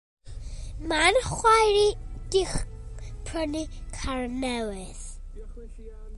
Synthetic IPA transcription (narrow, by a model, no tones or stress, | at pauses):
manχwajɾid̥ɪχ | pʰrənikʰaɹnɛwɪθ